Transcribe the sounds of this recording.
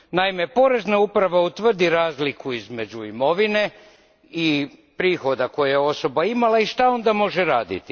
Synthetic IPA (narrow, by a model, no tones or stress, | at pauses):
naime̞po̞ɾe̞znaupɾaʋaut̪ʋr̩d̪iɾaːzlikʰuizme̞d͡ʒuimo̞ʋine̞ | ipɾiːxo̞d̪ako̞jajeo̞so̞baimalˠaiʃt̪ao̞nd̪amo̞ʒe̞ɾaːd̪ḭt̪i